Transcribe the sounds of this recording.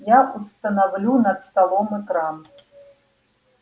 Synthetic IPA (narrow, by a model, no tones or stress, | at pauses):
jaʔust̪ɐnawlʲunɐt̪st̪alˠɔmɛkɾam